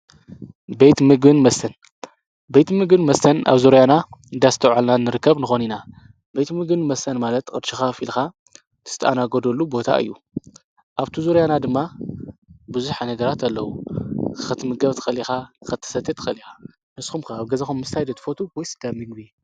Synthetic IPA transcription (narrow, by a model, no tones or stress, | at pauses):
bejt̪mɨɡɨnmɐst̪ʰɐn | bejt̪mɨɡbɨnmɐst̪ʰɐnʔa̰βzuɾjanaɨnd̪ast̪ʰɐwʕalnanːɨɾɨkːɐβnɨxo̞nina | bejt̪mɨɡɨnmɐst̪ʰɐnmalɐt̪kʼɨd̪ʃixafilxa | t̪ʰɨ̥t̪ʰʔanaɡod̪olːubo̞t̪ʰa̰ʔɨ̰jːu | ʔaβt̪ʰuzuɾjanad̪ɨmːa | bɨzuħanɐɡɐɾat̪ʰalːɐwukxɐt̪ʰːɨmɨɡɐβt̪ʰɨ̥xɐlixakɨt̪ʰːɐ̥sɐt̪ʰːɨt̪ʰɨ̥xɐlixa | mɨsxumkʰaːβɡɐzɐxumːɨst̪ʰajd̪ɐt̪ʰɨfot̪ʰuwɔjsɨd̪amɨɡbi